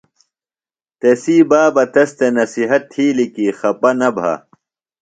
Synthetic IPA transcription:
t̪esiːbaːbɐt̪ɐst̪enɐsiɦɐt̪ʰːiːlikiːxɐpɐnɐbʱa̰ː

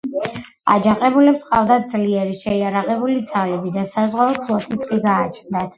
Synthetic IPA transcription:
a̰d͡ʒaqʼɛbulɛpsqʼavd̪at̪̚d̪zliɛɾiʃɛiaɾaqɛbulid̪zavlɛbid̪asazʁalˠɔdt̪ʰlˠɔt̪ʰit̪ʼχʼiɡaːt͡ʃʰnd̪at̪ʰ

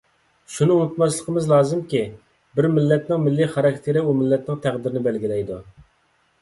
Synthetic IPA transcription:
ʃunɨunɨt̪mɑʃlˠəqʰəmɨzlˠɑːzɨmkʲi | bɪɾmɪlːɛt̪nɪŋmɪlːiχɑɾɑkʲt̪ʰeɾɪumɪlːɛt̪̚nɪŋt̪ʰæʁd̪ɪɾɪnɪbɛlɡʲilɛjd̪u

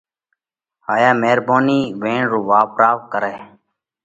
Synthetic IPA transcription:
haːjaːmeːɾboːniːʋẽːɳɾuːʋaːpɾaːʋkəɾeː

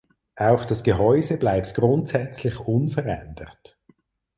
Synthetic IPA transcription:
ʔaʊxd̥ɑsɡ̥əɦɔʏzəblaɪp̚tɡ̥ʁʊntsɛt͡slɪçʊnfəʁɛ̰nd̥əʁt

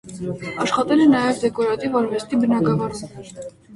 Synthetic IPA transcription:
ɑʃχɑt̪ɛlɛnɑjɛvd̪ɛkɔɾɑt̪ivɑɾvɛst̪ibənɑɡɑvɑɾum

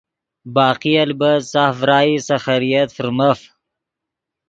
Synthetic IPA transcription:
bɑːqialbəsɑfɾɑːjisaxaɾijat̪fəɾmaf

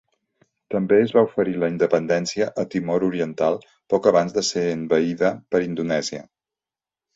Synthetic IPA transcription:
t̪əmbeəzβaufəɾiləind̪əpənd̪ɛnsiəʔət̪imɔɾuɾiənt̪alˠ | pɔkəβ̞anzðəseənbəiðəpəɾind̪unɛziə̰

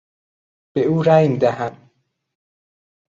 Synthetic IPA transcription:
b̥euːɾæjmd̪æɦæm

